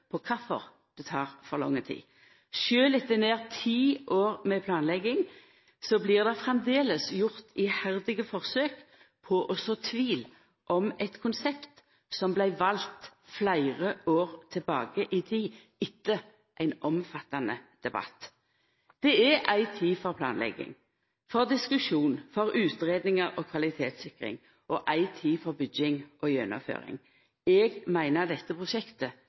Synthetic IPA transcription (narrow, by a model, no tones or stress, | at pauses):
pʰɔkʰɑfɔ̰ʁ | d̪̥ɛt̪ʰɑːʁfɔʁlɔ̰ŋːət̪ʰḭː | ʃøːlɪt̪ːəneːʁt̪ʰiːʔoːʁmɛpʰlɑːnlɛɡɪŋ | sɔbliːʁd̪ɛfʁɛmd̪eːləsjʊʁt̪ʰɪhæʁd̪ɪɡəfɔʁsøːk | pʰɔʔɔsɔt̪ʰʋiːl | ʔɔmɛt̪kʰʊnsɛpt̪ | sɔmblæɪʋɑlt̪flæɪʁəʔoːʁt̪ʰɪlbɑːɡəʔit̪ʰiː | ɪt̪ːə | ʔæɪnʔɔmfɑt̪ːɑnəd̪̥ɛbɑ̰t̪ː | d̪̥ɛɛʔæɪt̪ʰiːfɔɾpʰlɑːnlɛ̰ɡɪ̰ŋ | fɔʁd̪ɪskʉʂuːnfɔɾʉːt̪ɾeːd̪nɪŋəɾɔkʰʋɑlɪt̪ʰeːt̪sɪkʁɪ̰ŋ | ʔɔʔæɪt̪ʰiːfɔʁbʏɡɪŋʔɔjɛnɔ̰mfø̰ːɾɪ̰ŋ | ɛːɡmæɪnəʁd̪ɛt̪ːəpʰʁʊʃɛkt̪ə